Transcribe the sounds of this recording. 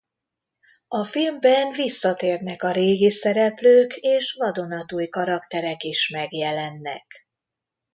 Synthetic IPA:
ɒfilmbɛnvisːɒt̪eːrnɛkɒɾeːɡisɛɾɛpløːkeːʃvɒd̪o̞nɒt̪uːjkɒɾɒkt̪ɛɾɛkiʃmɛɡjɛlɛnːɛ̰k

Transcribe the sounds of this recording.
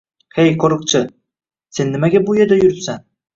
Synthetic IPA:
hejqʰoɾɯq̚t͡ʃʰɪ | se̞nːɪmaɡʲabujeɾd̪ajʏɾɪpsan

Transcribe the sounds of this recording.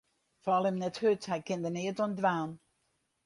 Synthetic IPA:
fɔlˠɪmnɛthøthɛjkɪndənɪətɔndʋaːn

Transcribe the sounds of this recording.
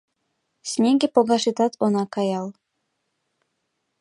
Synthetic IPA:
sʲnʲeɡʲĕpoɡɑʃit̪ɑt̪ʰonɑkɑjɑlˠ

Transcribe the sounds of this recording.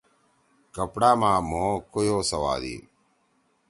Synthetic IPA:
kɐpɽaːmaːmoːkojoːsɐwa̰ːd̪ḭ

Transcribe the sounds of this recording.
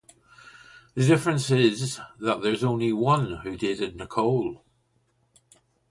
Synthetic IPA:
ðədɪfɹə̃nsɪzðəʔðə˞zõʊ̃nliwʌ̃nhʉdɪdɪ̃dⁿnəkʰoʊlˠ

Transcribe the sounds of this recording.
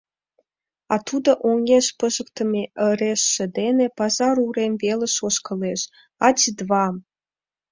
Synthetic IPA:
ɑt̪ud̪ə̆ʔoŋeʃpəʒə̆k̚t̪ə̆meə̆ɾeʃːə̆d̪enepɑzɑɾuɾemvelə̆ʃoʃkɤ̆leʃ | ɑt͡ɕid̪βɑm

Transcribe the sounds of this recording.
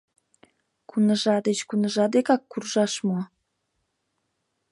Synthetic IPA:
kunəʒɑd̪et͡ɕkunəʒɑd̪ekɑkːurʒɑʃmoɑ

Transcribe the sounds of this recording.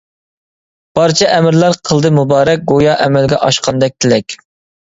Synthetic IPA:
b̥ɑɾt͡ʃʰɛʔmɪɾlæɾqʰəlˠd̪ɨmubɑːɾɛk̚ɡojɑʔɛmɛlɡʲɛʔɑʃqʰɑnd̪ɛk̚ʲt̪ʰɪlɛkʲ

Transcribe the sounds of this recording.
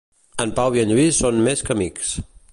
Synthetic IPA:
əmpawβjiəʎuisonmeskəmiks

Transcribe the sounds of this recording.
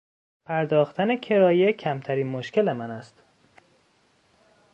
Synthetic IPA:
pʰæɾd̪ɒːxt̪ʰæne̞cʰe̞ɾɒːjecʰæmt̪ʰæɾiːnmoʃcelemænæst̪

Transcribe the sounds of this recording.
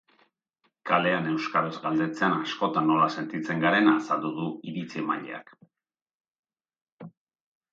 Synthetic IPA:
kale̞ane̞wskaɾozɡald̪e̞t͡se̞anasko̞t̪anːo̞lase̞nt̪it͡se̞ŋɡaɾe̞naːsald̪uðuiɾit͡siema̰ʎḛa̰k

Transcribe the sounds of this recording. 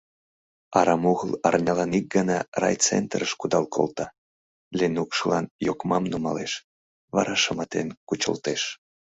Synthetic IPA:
ɑɾɑmuɣəlɑrnʲɑlɑnik̚ɡənɑrɑ̰jt͡sent̪rəʃkud̪ɑlkʰo̰lt̪ɑ | lenukʃəlɑnjokmɑmnumɑleʃ | βɑ̰ɾɑʃəmɑt̪enkut͡ɕə̰lt̪eʃ

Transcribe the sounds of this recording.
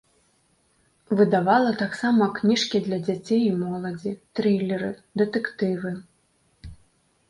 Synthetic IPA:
vɨd̪avalˠɐt̪aksamɐknʲiʂkʲid̪lʲɐd͡zʲat͡sʲejimɔlˠɐd͡zʲit̪ɾilʲɛɾɨd̪ɨt̪ɛkt̪ɨvɨ

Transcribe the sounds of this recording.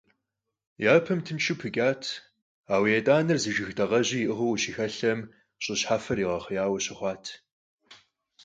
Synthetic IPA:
jaːpʰɐmtʰɨnʃʰupʰɨkʲʼaːtʰ | aːwijɐtʼaːnɨrzɨʒɨxdɐʁɐʑiːʔɨʁɐwɕixɐɬɐm | ɕʼɪɕħaːfɐriːʁɐχəjaːwɐɕɐχʷɑːtʰ

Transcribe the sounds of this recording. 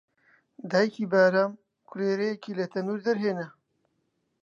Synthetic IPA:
d̪aːjikiːbaːɾam | kʰʊleːɾejekilɐt̪ʰɐnuːɾd̪ɐɾɦeːnɐ

